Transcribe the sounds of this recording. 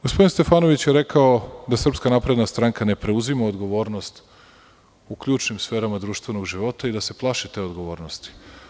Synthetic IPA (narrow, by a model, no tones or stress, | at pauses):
ɡospoinst̪e̞faːno̞ʋit͡ɕjeɾekaod̪asr̩pskanapɾe̞d̪nast̪ɾaŋkane̞pɾe̞uzimaod̪ɡo̞ʋo̞ːɾno̞st̪ | ukʎuːt͡ʃnimsfe̞ːɾamad̪ɾuːʃt̪ʋe̞no̞ɡʒiʋo̞t̪aid̪ase̞plˠaʃit̪e̞ːo̞d̪ɡo̞ʋo̞ːɾnost̪i̥